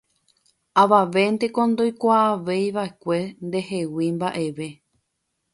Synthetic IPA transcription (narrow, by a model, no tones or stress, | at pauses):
aʋaʋe̞nd̪e̞kõ̞nd̪o̞jkʷaːʋe̞jʋae̞kʷe̞nd̪e̞he̞wimbaʔe̞ʋe̞